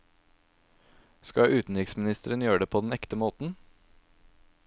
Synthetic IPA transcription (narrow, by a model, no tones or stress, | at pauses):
skɑʔʉːt̪n̩ɾɪksmɪnɪst̪əɾənjøːəɖ̪eːpʰoːd̪ɛnɛkt̪əmoːt̪n̩